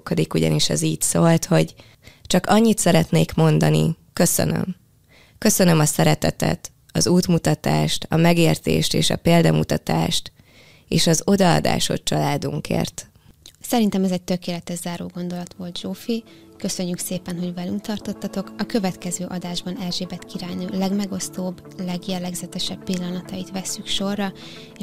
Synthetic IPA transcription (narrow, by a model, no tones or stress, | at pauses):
kːod̪ikuɟɒ̰niʃɛziːcsoːlt̪ho̞ɟ | t͡ʃɒkɒɲːit̪sɛɾɛt̪neːkmo̞nd̪ɒnḭ | kø̞sø̰nø̰m | kø̞sønømɒsɛɾɛt̪ɛt̪ɛ̰t̪ | ɒzuːt̪mut̪ɒt̪aːʃt̪ɒmɛɡeːrt̪ḛːʃt̪eːʃɒ̰peːld̪ɒmut̪ɒt̪aːʃt̪ | eːʃɒzo̞d̪ɒɒ̰d̪a̰ːʃo̞̰tt͡ʃɒlaːd̪uŋkḛːrt̪ | sɛɾint̪ɛmɛzɛc̚t̪ø̞keːlɛt̪ɛʒzaːɾoːɡo̞nd̪o̞lɒt̪ʋo̞lt̪ʒoːfikø̞sø̞ɲːykseːpɛnɦo̞ɟvɛlymkt̪ɒrt̪ot̪ːɒt̪o̞kɒkø̞vɛt̪kɛzøːʔɒd̪aːʒbɒnɛlʒeːbɛt̪kiɾaːnoːlɛɡmɛɡo̞st̪oːb | lɛɡjɛlːɛɡzɛt̪ɛʃɛbːilːɒnɒt̪ɒjit̪ʋɛsːykʃo̞rːɒ